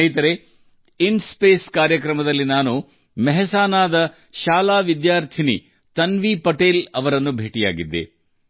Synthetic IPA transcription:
ɐjt̪ɐɾe | inspeːskaːɾjɐkɾɐmɐd̪ɐlːinaːnu | mɛɦɛsaːnaːd̪ɐ | ʃaːlaːʋid̪jaːɾt̪ʰinḭ | t̪ɐnʋiːpɐʈeːlɐʋɐɾɐnːubʱeːʈija̰ːɡid̪ːḛ

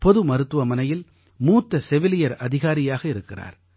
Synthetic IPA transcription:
pɔðɯmɐɾɯt̪ːɯʋɐmɐnɐjɪl | muːt̪ːɐsɛʋɪlɪjɐɾɐðɪɣaːɾɪjaːɣɐɪɾɯkːɪra̰ːɾ

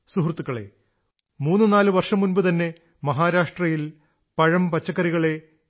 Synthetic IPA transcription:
suɦrt̪ːukːɐɭe̞̰ | muːnːɨnaːlɨʋɐrʂɐmːunbɨt̪ɐnːe̞ | mɐɦaːɾaːʂʈrɐjil | pɐɻɐmpɐt͡ɕːɐkːɐɾiɣɐɭe̞

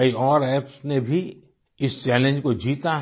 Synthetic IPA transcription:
ɐiɔːɾɛːpsnebʱi | ɪst͡ʃɛːlẽnd͡ʒkod͡ʒiːt̪aɦ

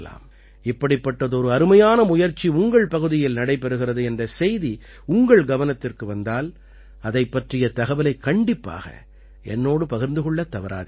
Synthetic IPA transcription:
la̰ːm | ɪpːɐɽɪpːɐʈːɐðɯɔɾɯɐɾɯmɐjaːnɐmʊjɐɾt͡ʃːiʊŋɡɐɭpɐɣɯðɪjɪlnɐɽɐɪpːɛɾɯɣɪrɐðɯɛndrɐsɛjði | ʊŋɡɐɭɡɐʋɐnɐt̪ːɪrkɯʋɐnd̪aːl | ɐðɐɪpːɐʈrɪjɐt̪ɐɣɐʋɐlɐɪkːɐɳɖɪpːa̰ːɣɐ̰ | ɛ̰nːoːɽɯpɐɣɐɾnd̪ɯɣɔɭːɐt̪ːɐʋɐɾa̰ːð

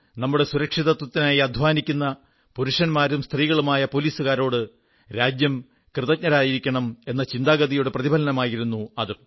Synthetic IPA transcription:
nɐmːuɽe̞suɾɐkʂiðɐt̪wɐt̪ːinaːjiɐd̪ʱʋaːnikʲːunːɐ | puɾuʂɐnmaːɾumst̪riːɣɐɭumaːjɐpo̞liːsuɣaːɾo̞ːɽɨ | ɾaːd͡ʑjɐm | krɨðɐk̚ɲɐɾaːjiɾikʲːɐɳɐme̞nːɐt͡ɕind̪aːɡɐðijuɽeprɐðibʱɐlɐnɐmaːjiɾunːuɐðɨ

